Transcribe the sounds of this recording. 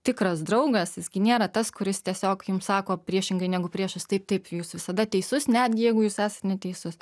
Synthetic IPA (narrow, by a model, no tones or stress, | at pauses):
t̪ʲɪkɾɐsd̪ɾɐʊɡɐsjɪsɡʲɪnʲeːɾɐt̪ɐskʊɾʲɪst̪ʲiɛsʲoːkjʊmssɑːkoːpʲɾʲiɛʃʲɪŋɡɐɪnʲæːɡʊpʲɾʲiɛʃʊst̪ɐɪp̚t̪ɐɪpjuːsʋʲɪsɐd̪ɐt̪ʲɛɪsʊsnʲæːd̪ʲɡʲɪjɛɪɡʊjuːsæːsɐt̪nʲɛt̪ʲɛɪsʊs